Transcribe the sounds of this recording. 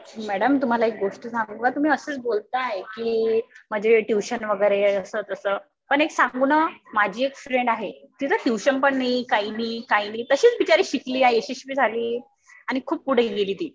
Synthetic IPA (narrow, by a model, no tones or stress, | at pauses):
mæɽəmt̪um̤alaek̚ɡoʂʈəsaŋɡʋat̪um̤iːəsəːt͡sbolt̪ajekiːm̤əd͡ʑeʈjuɕənʋəɡəjɾeəsət̪əsəː | pəɳeksaŋɡunəmad͡ʑʱiːekfɾeɳɖaɦet̪it̪ʰəʈjuɕənpəɳnaikainiːkainiːt̪əɕiːt͡sbit͡ɕaɾiːɕikliːaɦeeɕiɕpiːd͡zʱaliː | aɽ̃ikʰuːp̚puɽ̤iɡeliːt̪iː